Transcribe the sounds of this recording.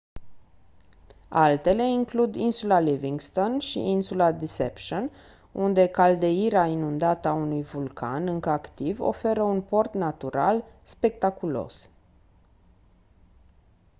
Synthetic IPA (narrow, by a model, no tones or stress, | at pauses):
alt̪e̞le̞iŋklud̪insulaliviŋɡst̪o̞nʃḭʔinsulad̪isḛpʃon | und̪e̞kald̪eiɾeainund̪at̪əaunujvulkʰa̰nɨŋkəakt̪ivo̰fe̞ɾəunpo̞rt̪nat̪uɾa̰lspe̞k̚t̪akulo̞̰s